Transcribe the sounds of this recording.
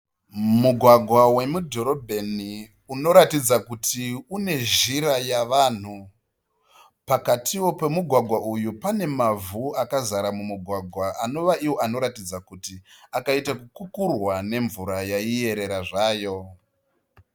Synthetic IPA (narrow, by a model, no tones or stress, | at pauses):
muɡʱwaɡʱwawe̞mudʱo̞ɾo̞bʱeni | uno̞ɾatid͡zakutʰiune̞ʒiɾajaʋaːn̤u | pakatʰiwo̞pe̞muɡʱwaɡʱwaʔujupane̞mavuakazaɾamumuɡʱwaɡʱwaʔano̞ʋaiwo̞ano̞ɾatid͡zakutiakaitakukukurwane̞ɱvuɾajaije̞ɾe̞ɾaʐaːjo̞